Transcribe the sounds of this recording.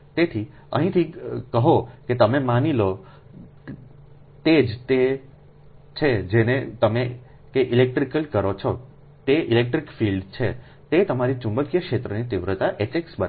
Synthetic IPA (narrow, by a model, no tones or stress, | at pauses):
t̪et̪ʰi | ə̰ɦĩt̪ʰikəɦoket̪əmemanilo | t̪ed͡ʒt̪e | t͡ʃʰed͡ʒenet̪əme | keʔilek̚ʈɾikəlkəɾot͡ʃʰɔ | t̪eʔilek̚ʈɾikfilɖt͡ʃʰe | t̪et̪əmaɾit͡ʃũmbəkjəkʃet̪ɾənit̪ɪʋɾət̪aʔet͡ʃeksbəɾ